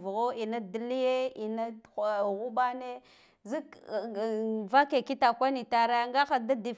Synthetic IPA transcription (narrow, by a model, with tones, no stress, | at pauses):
vɣo˦i˨na˦dli˦je˦i˨na˦˨ɣu˦ba˦ne˦ | zi˦k | va˦ke˨ki˦ta˨kʷa˦ni˨ta˨ɾa˦a˦ŋɡa˦xa˨da˦di˨